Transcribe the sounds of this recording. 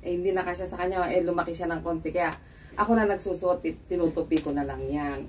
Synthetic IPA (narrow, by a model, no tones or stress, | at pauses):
ʔɛhɪnd̪inɐkaʃasɐkɐɲːoʔɛlʊmɐkɪʃanɐŋko̞ːnt̪ɛkɐjaʔ | ʔɐko̞nɐnɐɡsuːsʊʔot̪ɪɪnuːt̪ʊpikonɐlɐŋjan